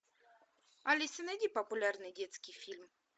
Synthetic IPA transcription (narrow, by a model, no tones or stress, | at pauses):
alʲɪsɨnɐdʲipəpʊlʲarnɨdʲet̪skʲɪjfʲilʲm